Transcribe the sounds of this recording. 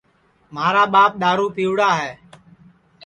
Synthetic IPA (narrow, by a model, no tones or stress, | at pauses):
m̤aːɾaːɓaːp̚ɗ̪aːɾuːpiːʋɽaːɦɛː